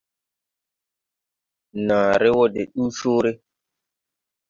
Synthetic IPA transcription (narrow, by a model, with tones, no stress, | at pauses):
nãː˨ɾe˦wɔ˦dḛ˨ɗuː˦soː˦ɾe˦